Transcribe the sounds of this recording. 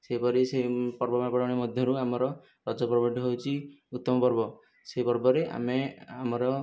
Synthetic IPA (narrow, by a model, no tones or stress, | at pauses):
seipɔɾisepɔɾbɔmapɔɽawɽ̃emɔd̪ʱjɔɾuamɔɾɔ | ɾɔd͡ʒɔpɾɔbɔʈiɦowt͡ʃʰiut̪ːɔmɔpɔɾbɔ | seɦipɔɾbɔɾeʔa̰meamɔɾɔ